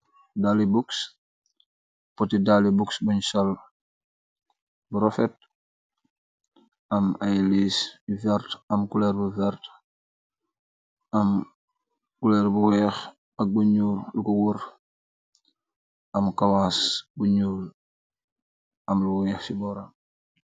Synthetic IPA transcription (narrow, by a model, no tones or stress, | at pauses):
dalibuks | pɔtidalibuksbuɲsol | buɾofet̚ | ɐmajlisvɛɾtɐmkulɛːɾbuvɛɾt | ʔɐm | kulɛɾbuwɛx | ɐk̚buɲuːɾlukuwuɾ | ʔɐmkawasbuɲuːl | ʔɐmluwɛxsibɔɾam